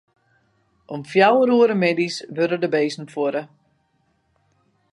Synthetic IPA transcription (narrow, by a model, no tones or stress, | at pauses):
ʔɔmfjawəɾuəɾəmedisʋølədəbeːsn̩foɾə